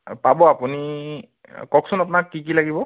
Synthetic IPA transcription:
pabɔapuni | kɔksʊnapʊnakːik̬ilaɡibɔ

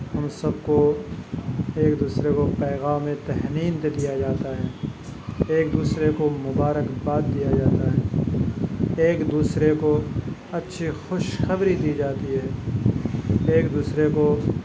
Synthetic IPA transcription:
ɦɐmsɐb̚ko | eːkd̪uːsɾekopɛːɣaːmːẽt̪ɛɦniːnt̪ed̪ijad͡ʒaːt̪aɦɛː | eːk̚d̪uːsɾekomʊbaːɾəkbaːt̪̚d̪ijad͡ʒaːt̪aɦɛː | eːkd̪uːsɾekoɐtːʃʰixʊʃxɐbɾid̪iːd͡ʒaːt̪iɦɛː | eːkd̪uːsɾeko

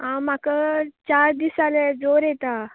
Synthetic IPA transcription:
ɦãm̤akət͡ɕaɾd̪isaled͡zoɾjɛt̪a

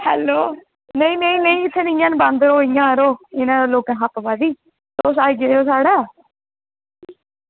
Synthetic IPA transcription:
hɛ̰ːloː | nəĩːnəĩːnəĩːɪt̪ʰːeːnɪjãːnbãnd̪ɾoːijãːɾoːɪnãːd̪aːloːkɛ̃ːɦapbaːd̪iː | t̪oːs̬aːiɡeoːsaːɽaː

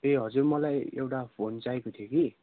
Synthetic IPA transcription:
eɦʌd͡zurmʌlajḛwʈapʰont͡saekot̪ʰijoki

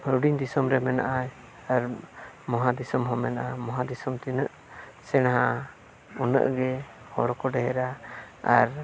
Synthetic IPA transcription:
ɾuɖiɲd̪isɔmɾɛmɛna̰ʔaj | aɾmɔɦad̪isɔmɦɔmɛnaʔamɔɦad̪isɔmt̪inəʔ | sɛñɦa | unə̰ʔɡɛ | hɔ̰ɾɔkɔɖɛɦɛɾa | a̰ɾ

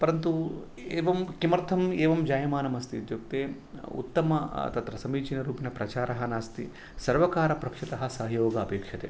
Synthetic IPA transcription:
pɐɾɐnt̪u | eːʋɐmkimɐɾt̪ʰɐmeːʋɐmd͡ʒaːjɐmaːnɐmɐst̪iud̪joːk̚t̪eː | ṵt̪ːɐmɐt̪ɐt̪ɾɐsɐmiːt͡ʃinɐɾuːpinɐpɾɐt͡ʃaːɾɐɦɐnaːst̪ḭ | sɐɾʋɐkaːɾɐpɾɐkʂit̪ɐɦɐsɐɦɐjoːɡɐːpeːkʂɐt̪ḛː

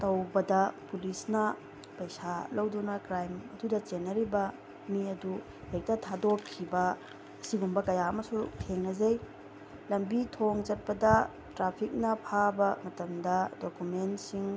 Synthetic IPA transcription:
tɐwbɐdɐpulisnɐ | pɐjsalɐwdunɐkɾajmɐdudɐt͡ʃenːɐɾibɐ | miɐdu | hek̚tɐtʰadokʰːibɐ | ɐsiɡumbɐkɐjaɐmɐsutʰeŋnɐzɐj | lɐmbitʰoŋd͡ʒɐt̚pɐdɐ | tɾapʰik̚nɐpʰabɐmɐtɐmdɐdokumentsiŋ

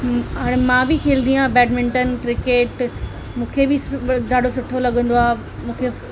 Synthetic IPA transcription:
ɦaːɽ̃ẽmãːbɪkʰeːld̪ĩãbɛːɖmɪ̃ɳʈənkɾɪkeːʈ | mũːkʰebɪsd͡ʒaːɖosʊʈʰːolɐɠə̃nd̪oaːe | mũːkʰe

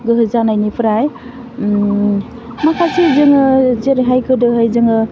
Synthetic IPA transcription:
ɡɯɦɯzanajnipʰɯɾaj | makʰasizɯŋɯzeɾeɦajkʰɯdɯɦɯjzɯŋɯ

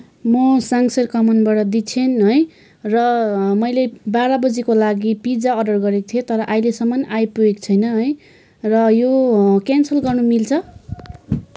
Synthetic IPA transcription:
mʌsaŋsʌɾkʌmʌnbaɽʌd̪it͡sʰenɦʌj | rʌmʌjlebaɾʌbʌd͡zikolaɡipid͡zaʌɖʌrɡʌɾekt̪ʰijet̪ʌɾʌʔajlesʌmʌnajpuekt͡sʰʌjnʌɦʌj | rʌjokansʌlɡʌrnumilt͡sʰʌ

